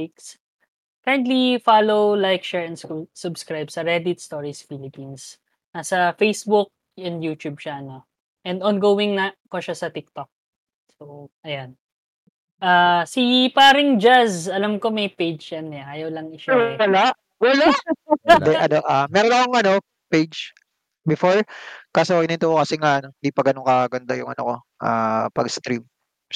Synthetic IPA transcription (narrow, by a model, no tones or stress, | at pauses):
iks | kaɹɛnt̪lifalowlajk̚ʃɛɹɛnd̪ssʊbskɹajbsɐɹɛd̪ɪt̪st̪oɹisfilɪpins | nɐsɐfejsbʊk̚ | ɛnd̪juːt̪jub̚t͡ʃaɐno | ʔɛnd̪ʔɔnɡoːwɪŋnɐkoʃasɐt̪ɪk̚t̪ok̚ | soʔɐjan | ʔasipaːɾɪŋd͡ʒazɐlamko̞mɐjpejd͡ʒjɐnɛʔaːjɐwlɐŋɪʃawɐlaʔ | wɐla | d̪ɛʔɐnoʔamɛːɾonɐkoŋʔɐno̞ | pejd͡ʒ | bɪfoɹkasowɐɡ̚nɪnt̪okːokɐsɛŋaʔɐnoɪnd̪ipɐɡɐnoŋkɐɡɐnd̪ajʊŋʔɐno̰ko | ʔa̰ːpɐɡst̪ɾim